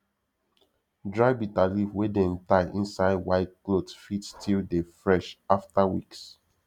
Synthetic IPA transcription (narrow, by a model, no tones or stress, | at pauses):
dɹaɪbitalifwedɛ̃ntaɪʔĩnsaɪdwaɪt̚klodfitstʰildefɹɛʃaftawḭks